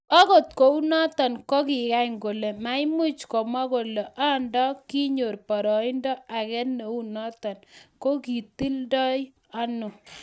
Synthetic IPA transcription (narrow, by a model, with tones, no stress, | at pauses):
ɔ˦ko˨t̚ko˨u˦nɔ˦tɔ˨nko˦ki˨ka˦jŋɡo˨le˨ma˨i˦mu˦t͡ʃkɔ˨ma˦ko˨le˨ʔa˦ndɔ˦ki˦ɲo˨rpɔ˨ɾɔ˨i˦ndɔ˦a˨kɛ˦ne˨u˦nɔ˦tɔ˨nko˦ki˨ti˦ldɔ˦j | a˦nu˨